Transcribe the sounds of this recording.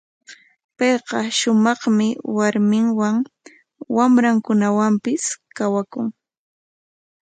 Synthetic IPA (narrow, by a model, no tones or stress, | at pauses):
pɑjqɑʃʊmɑχmɪwaɾmɪŋwaŋ | wamɾaŋkʊnawampɪskawakʊŋ